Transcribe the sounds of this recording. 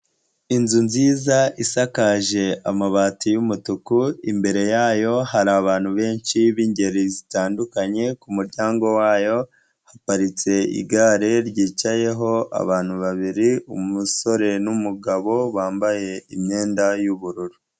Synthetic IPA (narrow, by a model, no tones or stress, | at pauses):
inzunziːzaisakaʒe̞amaβaːtijumutukuimbe̞ɾe̞jaːjo̞haɾaːβaːn̥huβe̞ːnʃiβiːɲɟe̞ɾizitaːndukaɲe̞kumuɾɟaːŋɡo̞waːjo̞ | hapaɾit͡se̞ḭɡaːɾe̞ɾɟiːt͡ʃaje̞ɦo̞a̰βaːn̥huβaβiɾiumuso̞ɾe̞numuɡaβo̞βaːmbaje̞imɲe̞ːndajuβuɾuɾu